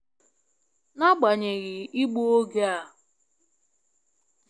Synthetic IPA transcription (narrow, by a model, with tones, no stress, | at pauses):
na˦ɡ͡ba˨ɲe˨ɣɪ˨i˦ɡ͡bu˦o˦ɡe˦a˦˨